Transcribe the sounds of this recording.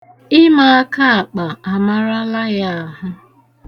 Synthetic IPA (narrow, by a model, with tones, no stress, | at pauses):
ɪ˦ma˨a˦ka˦a˨k͡pa˨a˨ma˦ɾa˦la˦ja˦a˨ɦʊ˦